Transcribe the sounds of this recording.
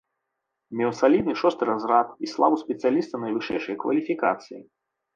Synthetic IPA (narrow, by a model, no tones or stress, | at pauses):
mʲɛwsalʲid̪̚nɨʂɔst̪ɨɾazɾat̪islˠa̰vusʲpʲɛt̪sɨjalʲist̪ɐnɐjvɨʂɛjʂɨjɐkvɐ̰lʲifʲika̰t̪sɨji